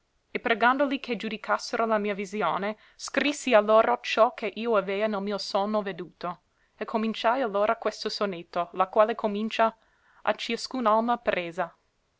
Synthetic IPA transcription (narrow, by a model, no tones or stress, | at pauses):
epɾeɡand̪olikʰed͡ʒud̪ikʰasːeɾolamiːavizjoːne | skɾisːialːoːɾʔat͡ʃɔkʰeʔiːoavɛːanelmiːosɔnːoved̪uːt̪o | ekʰomint͡ʃajalːoːɾʔakwest̪osonet̪ːolakwaːlekʰomint͡ʃa | ʔa̰t͡ʃiaskunalmapɾʔeːza